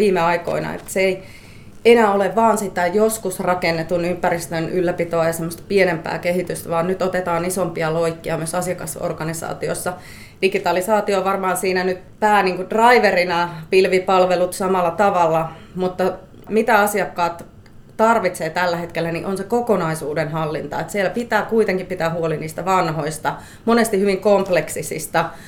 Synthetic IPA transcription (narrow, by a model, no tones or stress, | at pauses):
ʋiːmeɑiko̰inɑ̰ḛt̪ːæ̥seei | enæːoleʋʋɑːnsit̪æjoskusrɑkenːet̪unympærist̪ønylːæpit̪oɑjɑsemːost̪ɑ̥pienempæ̰ːkehit̪yst̪æʋɑːnnyt̪ot̪et̪ɑːnisompiɑloikːiɑmyøsɑsiɑkɑso̰rɡ̥ɑnisɑ̰ːt̪io̰sːɑ | d̥iɡit̪ɑlisɑːt̪ioʋɑrmɑːnsiːnænyt̪pæːniːŋkudrɑiʋerinɑpilʋipɑlʋelut̪sɑmɑlːɑt̪ɑʋɑlːɑ | mut̪ːɑ | mit̪æɑsiɑkːɑːt̪ | t̪ɑrʋit̪seːt̪ælːæhet̪kelːæniʔonsekokonɑisuːdenhɑlːint̪ɑet̪sielːæpit̪æːkuit̪eŋkippit̪æːhuoliniːst̪æʋɑnhoist̪ɑ | monest̪ihyʋiŋkompleksisḭst̪æ